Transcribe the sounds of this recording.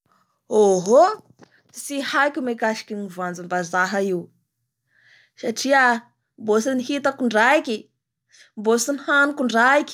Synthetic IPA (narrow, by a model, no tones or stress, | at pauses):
oɦo | sihajkʲumekaʃi̥kʲinivand͡zumbazaɦəiw | saʈ͡ʂiə | mbosiniɦit̪akuɳɖ͡ʐaikʲi | mbosinihanukuɳɖ͡ʐaikʲ